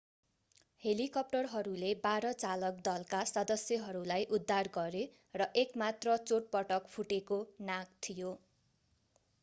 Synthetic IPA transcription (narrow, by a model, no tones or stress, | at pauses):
helikʌp̚ʈʌrɦʌɾulebaɾʌt͡salʌk̚d̪ʌlkasʌd̪ʌsjʌɦʌɾulajʔud̪ʱːarɡʌɾe | rʌʔekmat̪rʌt͡soʈ̚pʌʈʌkpʰuʈekonak̚t̪ʰijo